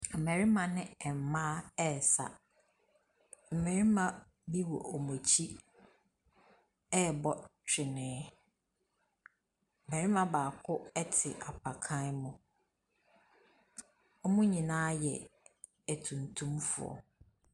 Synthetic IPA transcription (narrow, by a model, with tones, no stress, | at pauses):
m̩˨mɛ˨ɾi˦mã˨nɪ̃˦˨m̩˨mãː˦ɛ˦˨sa̰˨ | m̩˨me˨ɾi˦mã˦ | bi˦wɔ˨ʔo˨mo˨t͡ɕʰi˦ | ɛ˦˨bɔ˦t͡ɕᶣɪ˨nɪ̃˨˦ | m̩˨mɛ˨ɾi˦mã˨baː˨kʰʊ˦ɛ˦tʰɪ˨ʔa˨pʰa˨kʰã˦nmʊ̃˨ | ɔ˦mʊ̃˦ɲĩ˨nãː˦jɛ̰˨ | æ˨tʰũ˨ntʰũ˦mfʊ̰˨ɔ̰˨